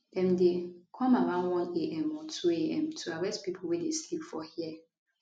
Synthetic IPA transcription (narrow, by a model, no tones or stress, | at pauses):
dɛ̃mdekʰɔ̃maɹãnwɔ̃neʔɛ̃mɔtʰueʔɛ̰̃mtʰuaɹɛstpipʰowedeslipfɔhi